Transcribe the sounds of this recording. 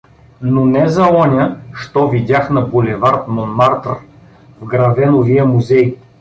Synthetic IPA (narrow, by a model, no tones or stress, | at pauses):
nonɛzɐɔnʲəʃt̪ɔvid̪ʲjaxnɐbolʲɛvaɾt̪monmaɾt̪ə̰ɾ | vɡɾɐvɛnovijəmuzɛj